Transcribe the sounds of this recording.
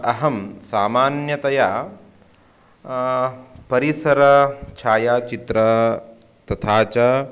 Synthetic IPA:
ɐɦɐmsaːmaːnjɐt̪ɐja | pɐɾisɐɾɐt͡ʃʰaːjaːt͡ʃit̪ɾɐ | t̪ɐt̪ʰaːt͡ʃɐ

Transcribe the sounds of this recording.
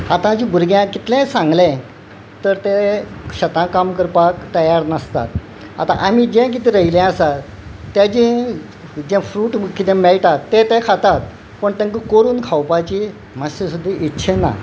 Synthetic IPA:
hat̪ãt͡ɕĩbʱuɾɡjãkit̪lɛ̃sãŋɡlɛ̃ | t̪əɾt̪eɕət̪ãkamkəɾpakt̪əjaɾnəst̪a̰t̪̚ | a̰t̪a̰ʔam̤id͡ʑẽk̬it̪iɾəilɛ̃əsat̪ | t̪ːjat͡ɕĩ | d͡ʑɛ̃fɾuːʈkit̪ẽmɛɭʈat̪ːet̪ẽkʰat̪at̪̚ | pəɳt̪ẽŋkəkoɾuːnkʰawpat͡ɕi | masesud̪ʱːiʔitːɕʰena̰

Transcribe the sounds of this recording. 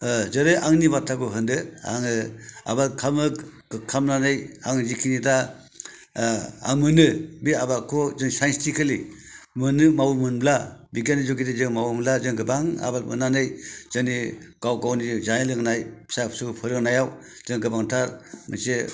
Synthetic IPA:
zɯɾeʔaŋnibatʰaɡuɦɯndɯa̰ŋɯa̰batkʰamɯk | kʰamnanɯjaŋzikʰinida | a̰ŋmɯnɯbiabakʰɔzɯŋsajnstʰikʰɯli | mɯnɯmawmɯnblabiɡanizɔɡidizɯŋmawumlazɯŋɡɯbaŋa̰batmɯ̰nanɯjz̥ɯniɡ̥awɡawnizajelɯŋnajpʰi̥sapsɯɡpʰɯɾɯŋnajaw | z̥ɯŋɡɯbaŋtʰaɾmɯ̰se

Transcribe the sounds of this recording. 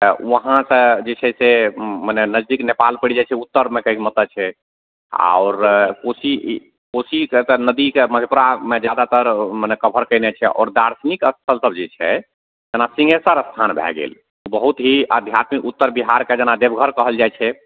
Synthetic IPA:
ʋəɦãsə̃d͡ʒet͡ʃʰɛsemənɛnəd͡ʒd̪iknepalpəɽid͡ʒajt͡ʃʰɛut̪ːəɾmekəmət̪ət͡ʃʰɛ | a̰ɔɾkosi | kosiket̪ənəd̪ikeməd̪ʱepuɾamed͡ʒad̪at̪əɾmənɛkəbʱəɾkəɪnɛt͡ʃʰɛʔɔ̰ɾd̪aɾsnikəst̪ʰəlsəb̚d͡ʒɛt͡ʃʰɛ | d͡ʒenasĩŋɡesəɾəst̪ʰanbʱɛ̰ɡḛl | ubəɦut̪ɦiʔəd̪ʱjat̪mikut̪ːəɾbiɦaɾked͡ʒenad̪ebʱɡʱəɾkəɦəld͡ʒajt͡ʃʰɛ

